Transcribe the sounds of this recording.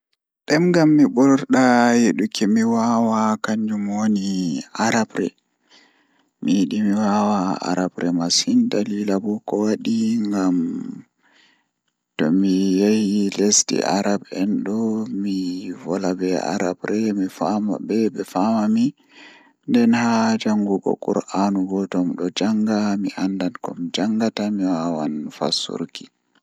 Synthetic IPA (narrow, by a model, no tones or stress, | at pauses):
ɗɛmɡamːibɔlɔɾɗajeɗukʰɛmiwawakaɲd͡ʒumwoniaɾabɾɛ̰ | miɗimiwawaa̰ɾabɾɛmasindalilabukɔwaɗiŋɡam | tɔmijahilestḭʔa̰ɾabɛnɗɔmivɔlabɛa̰ɾabɾɛmifama̰bɛbɛfamami | ndɛnhad͡ʒaŋɡuɡɔ̰kʼṵɾʔanuɡɔtɔmɗɔd͡ʒaŋɡamiʔandankɔ̰md͡ʒaŋɡatamiwawanfa̰sṵɾki̥